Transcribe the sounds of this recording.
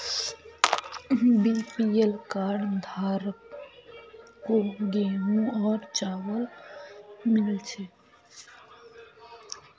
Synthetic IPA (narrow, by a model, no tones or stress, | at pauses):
bipielkaːɾɖd̪ʱaːɾ | koɡeːmũɔːɾt͡ʃaːʋəl | mɪlt͡ʃʰe